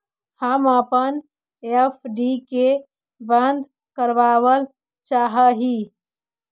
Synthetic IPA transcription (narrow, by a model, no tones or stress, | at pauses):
həməpən | epʰɖike | bə̃nd̪ | kəɾbaːwəl | t͡ʃaːɦəɦi